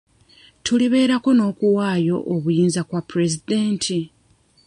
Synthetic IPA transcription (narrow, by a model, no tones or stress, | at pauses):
tʰuliβe̞ːɾako̞no̞ːkuwaːjo̞ʔoβujiːnzakwapːuɾe̞zid̪eːntʰi